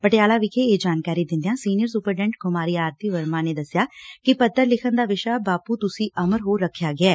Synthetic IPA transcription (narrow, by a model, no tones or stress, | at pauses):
pəʈejaːlaːʋɪkʰeːeːd͡ʒaːnkaːɾiːd̪ɪ̃nd̪ejãːsiːnɪjəɾsuːpəɾɖɛ̃ɳʈ̚ɡʊmaːɾiːaːɾt̪iːʋəɾmãːneːd̪əsːɪjaːkɪpət̪ːəɾlɪkʰənd̪aːʋɪʃaːbaːpuːt̪ʊsĩːʔəməɾɦoːɾːəkʰːjaːɡɪaː